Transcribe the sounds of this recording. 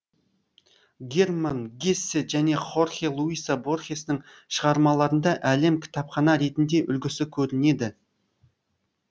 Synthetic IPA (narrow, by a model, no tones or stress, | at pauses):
ɡʲermanɡʲesːeʒæne̞χo̞rχelˠuijsabo̞rχesnɪŋ | ʃəʁɑɾmɑlˠɑɾənd̪ɑʔæle̞mkʲʰɪ̥t̪ɑpχɑnɑɾe̞t̪ɪnd̪e̞ʔʏlɡʲɪsɪkʲʰɵɾɪne̞d̪ɪ